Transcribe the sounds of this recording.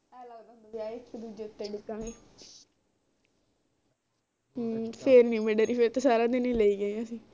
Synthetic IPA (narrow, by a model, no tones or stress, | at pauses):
ɛːlaːɡãːd̪oʋaːɪkːd̪uːd͡ʒeːʊt̪ːeːɖʊkːãːɡeː | pʰeɾnĩːmeɖəɾiːfeɾt̪eːsaːɾãːd̪enĩːləiːɡəãːsĩː